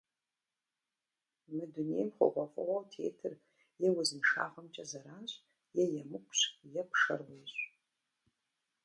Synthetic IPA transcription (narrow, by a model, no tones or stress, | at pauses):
mɨdunḛjmχʷo̰qʷʼafʼawawtʰḛtʰɨr | jewazɨmʂa̰ːʁəmt͡ʃʼazaɾaːɕʷʼ | jejamɨkʷʰʼɕʷjapʰʂa̰rweɕʷʼ